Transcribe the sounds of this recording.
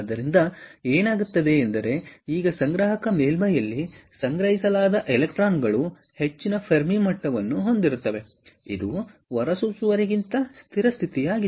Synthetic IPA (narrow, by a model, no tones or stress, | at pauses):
ɐd̪ɐɾind̪ɐeːnaːɡut̪ːɐd̪e̞ːnd̪ɐɾe̞iːɡɐsɐŋɡɾaːɦɐkɐmeːlmɐjɐlːisɐŋɡɾɐɦisɐlaːd̪ɐʔɛlek̚ʈɾaːnɡɐɭu | he̞t͡ʃːinɐpʰɐɾmimɐʈːɐʋɐnːuɦo̞nd̪iɾut̪ːɐʋe̞ḭd̪uʋɐɾɐsusuʋɐɾiɡint̪ɐst̪ʰiɾɐst̪ʰit̪ijaːɡi